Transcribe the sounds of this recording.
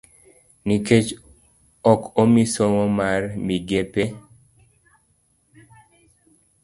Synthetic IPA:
niket͡ʃ | ɔkomisoŋɔmarmiɡepe

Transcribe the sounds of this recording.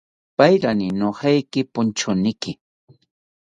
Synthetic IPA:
pajɾanɪnohɑjkɪpʊnt͡ʃʊnɪkɪ

